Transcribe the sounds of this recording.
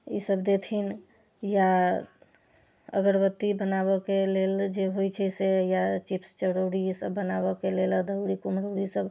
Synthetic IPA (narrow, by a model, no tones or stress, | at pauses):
isəbd̪et̪ʰin | ja | ə̰ɡəɾbət̪ːibənaβɔkeleld͡ʒeɦojt͡ʃʰɛsejat͡ʃipst͡ʃəɽəɽisəbːənabɔkeleləd̪ʱəʊɽikumɾoɾisəb